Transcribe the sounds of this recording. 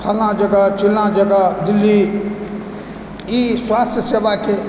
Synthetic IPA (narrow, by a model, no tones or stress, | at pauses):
kʰalnãd͡ʒəɡat͡ʃilnãd͡ʒəɡad̪ilːi | iswast̪ʰjəsebake